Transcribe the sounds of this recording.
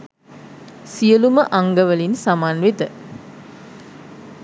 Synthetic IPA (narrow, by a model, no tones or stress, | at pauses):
sijəluməʔaŋɡəʋəlinsamaːnʋit̪ə